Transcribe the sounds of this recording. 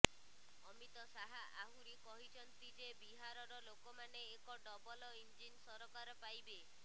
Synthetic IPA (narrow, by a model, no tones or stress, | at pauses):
ɔmit̪ɔsaɦaʔaɦuɾikɔɦit͡ʃʰɔnt̪id͡ʒebiɦaɾɔɾɔlokɔmaneːkɔɖɔbɔlɔind͡ʒinsɔɾɔkaɾɔpajbe